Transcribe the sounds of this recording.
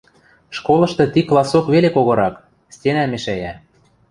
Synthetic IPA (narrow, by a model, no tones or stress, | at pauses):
ʃkolˠɤ̆ʃt̪ɤ̆t̪iklˠɑsokβelekoɣoɾɑk | stʲenæmeʃæjæ